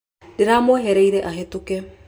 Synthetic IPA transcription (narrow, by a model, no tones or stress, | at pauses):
deɾamoɦɛɾɛiɾɛʔaɦetukɛ